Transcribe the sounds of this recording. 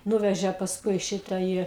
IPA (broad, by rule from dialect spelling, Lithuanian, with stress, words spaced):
ˈnuːʋʲɛʒʲɛ pɐsˈkʊɪ ˈʃʲɪtɐ ˈiː